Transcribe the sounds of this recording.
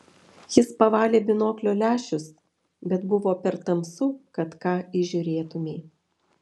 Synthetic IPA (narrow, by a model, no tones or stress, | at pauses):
jɪspɐʋɑːlʲeːbʲɪnoːklʲoːlʲæːʃʲʊs | bʲɛt̪bʊʋoːpʲɛɾt̪ɐmsuːkɐt̪kɑːiʒʲʊɾʲeːt̪ʊmʲeː